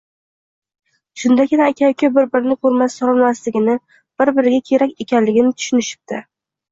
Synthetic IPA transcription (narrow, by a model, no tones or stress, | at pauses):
ʃʊnd̪akʲɪnaekʲʰawkʲʰɪbɪɾbɪɾɪnɪkʰoɾmassɒlˠɪnmaslɪɡʲɪnɪ | b̥ɪɾbɪɾɪɡʲakʲʰe̞ɾakʲe̞kʲʰanlɪɡʲɪnɪt̪ʰʊ̥ʃʊnɪʃɪ̥p̚t̪ʰɪ